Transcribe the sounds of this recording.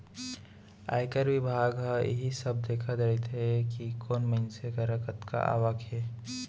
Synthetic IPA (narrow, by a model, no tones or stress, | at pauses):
a̰ːjkəɾʋɪbʱaːɡɦajɪ̰ɦisəb̚d̪eːkʰad̪ait̪ɦɛkikoːnməɪnsekɐɾəkət̪ka̰ʔa̰ːʋəkʰɦeː